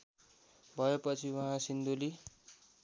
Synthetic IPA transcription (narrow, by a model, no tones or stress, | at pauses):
bʱʌepʌt͡sʰiwʌɦãsind̪uli